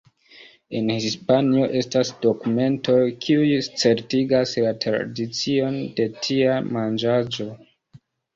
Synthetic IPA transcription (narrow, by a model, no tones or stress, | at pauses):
e̞nhispanio̞ʔe̞stasdo̞kume̞nto̞kʰiujst͡se̞ɾtiɡaslatɾa̰dit͡sio̞nde̞tʰiamand͡ʒad͡ʒo̞